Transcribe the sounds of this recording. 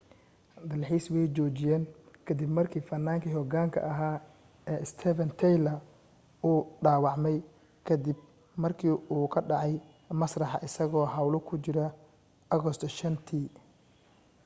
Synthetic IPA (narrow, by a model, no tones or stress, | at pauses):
d̪ɐlħiːswɛjt͡ʃɔːt͡ʃɪjɛːŋkʰɐd̪ibmɐrkʰiːfɐnːaːŋkʰiɦhɔɡaːŋkʰɐ̰ʔɐɦaː | ɛːɪst̪ʰɛfɐnt̪ʰɛjlɐ | uːɖaːwɑʕmɛj | kʰɐd̪ɪb̚ | mɐrkʰiːʔuːkʰɐɖɑʕɑj | mɐsrɑħɑ̰ʔɪsɐɣɔːɦɑwlɔkʰʊt͡ʃɪɾɐ | ɔɣɔst̪ʰʃɐnt̪ʰiː